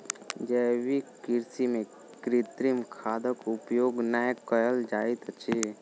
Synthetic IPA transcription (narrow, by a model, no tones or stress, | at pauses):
d͡ʒəːwikɪɾsimẽ | kɾit̪ɾimkʰaːd̪əkʊpjoːɡnakəjəld͡ʒaːit̪t͡ʃʰe